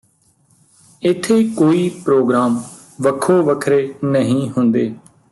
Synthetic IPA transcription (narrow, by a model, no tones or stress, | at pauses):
ɪt̪ʰːeːkoːiːpɾoːɡɾaːm | ʋəkʰːoːʋəkʰɾeːnəɦĩːɦʊnd̪eː